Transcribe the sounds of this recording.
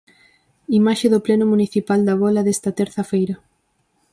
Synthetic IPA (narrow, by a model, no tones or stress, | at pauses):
imaʃeðoplɛnomuniθipald̪ɐaβɔlɐðɛst̪ɐt̪ɛɾθɐfejɾɐ